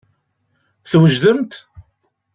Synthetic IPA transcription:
θwəʒðəmt̪

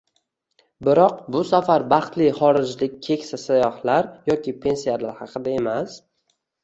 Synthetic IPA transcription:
bɪɾɒq̚bʊsafaɾbɑχt̪lɪχɒɾɪd͡ʒlɪk̚ʲkʲʰe̞kʲsasajɒhlaɾjɒkʲɪpʰe̞nsijalaɾhɑqʰɨd̪ae̞mas

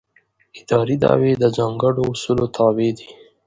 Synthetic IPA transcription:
ɪd̪ɑɾid̪ɑ̰wed̪əzɑŋɡəɖoːsulot̪ʰɑwed̪i

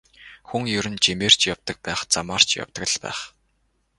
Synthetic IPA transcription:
xuŋjɵɾɘ̆nt͡ɕimeːr̥t͡ɕjawt̪ə̆k̚pæːχt͡sa̰maːr̥t͡ɕja̰wt̪ə̆k̆ɮpæ̰ːχ

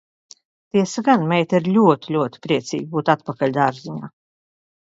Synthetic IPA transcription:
t̪iɛsaɡanmʲɛjt̪iɾlʲuɔt̪ilʲuɔt̪i̥pɾiɛt̪sḭːɡ̚ʲbuːt̪at̪pakalʲd̪aɾziɲa̰ː

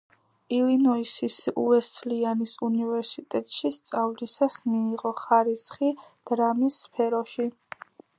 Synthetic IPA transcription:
ilinɔisisuɛst̪sʰlianisunivɛɾsit̪ʼɛt̪ʼʃist̪sʼavlisasmiːʁɔχaɾisχid̪̥ɾamisːpʰɛɾɔʃi

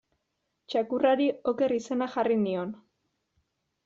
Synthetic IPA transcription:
t͡ʃakuraɾio̞ke̞rise̞naxarinio̞n

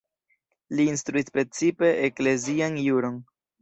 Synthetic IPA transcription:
liːnstɾuispɾe̞t͡sipe̞ʔekle̞zianjuɾo̞n

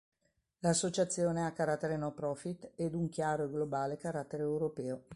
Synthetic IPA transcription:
lasːot͡ʃat̪sːjoːneakːaɾat̪ːeɾenɔpɾɔfit̪ːɛd̪uŋkjaːɾoeɡlobaːlekaɾat̪ːeɾeːwɾopɛːo

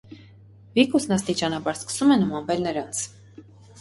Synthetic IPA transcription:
vikusnɑst̪it͡ʃɑnɑbɑɾskə̥sumɛnumɑnvɛlnəɾɑnt͡sʰ

